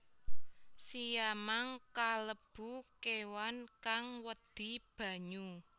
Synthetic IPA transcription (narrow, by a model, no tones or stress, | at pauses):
sijamaŋkaləb̥ṳkewankaŋwəd̪̥i̤b̥a̤ɲu